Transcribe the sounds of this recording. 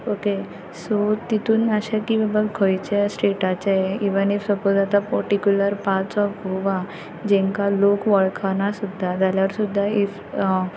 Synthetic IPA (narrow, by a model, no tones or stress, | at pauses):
oke | sot̪it̪ʰuːnaɕakiʋəbəɡkʰojt͡ɕasʈeʈat͡ɕaiʋənifsəpod̪at̪apəɾʈikjuləɾpat͡sɔfɦoʋa | d͡ʑɛ̃ŋkalokʋəɭkʰanasud̪ʱːad͡zaljaɾsud̪ʱːaif